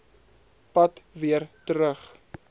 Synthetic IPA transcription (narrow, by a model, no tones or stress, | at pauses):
pɐtviərtəɾəχ